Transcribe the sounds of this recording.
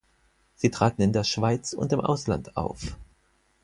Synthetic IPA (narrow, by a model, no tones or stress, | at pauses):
z̥iːtʁ̥aːtn̩ɪndeːɐʃv̥aɪt͡sʊ̰ntɪmʔa̰ʊsla̰nta̰ʊf